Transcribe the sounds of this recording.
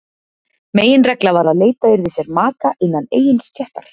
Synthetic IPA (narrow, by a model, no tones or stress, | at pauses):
meːjɪnrɛklavaːɾaðleːjt̪aʏɾðɪsjɛɾmaːkaʔɪnːaneːjɪnsc̪ʰɛht̪aɾ̥